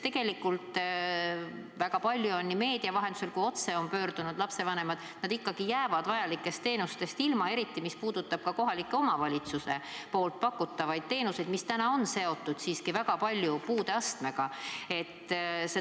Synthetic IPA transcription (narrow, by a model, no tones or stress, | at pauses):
t̪eɡ̥e̞likːult̪ | væɡ̥ɑpɑlʲjuo̞nːime̞ːd̪̥iɑvɑɦe̞nd̪u̥se̞lkujo̞t̪se̞o̞npø̞ːɾd̪̥unud̪̥lɑpse̞vɑne̞mɑd̪̥nɑd̪ikːɑɡ̥ijæːvɑd̪̥vɑjɑlikːˑe̞st̪ːe̞ːnust̪e̞st̪ilmɑe̞ɾit̪ːˑimispuːd̪̥ut̪ːˑɑb̥̚kɑko̞ɦɑlikːˑe̞o̞mɑvɑlʲit̪suse̞po̞ːlt̪̚pɑkːˑut̪ːɑvɑjd̪̥̚t̪e̞ːnuse̞jd̪̥mist̪ænɑo̞nse̞o̞t̪ːˑud̪̥siːskivæɡ̥ɑpɑlʲjupuːd̪eɑst̪me̞ɡ̥ɑe̞t̪ːse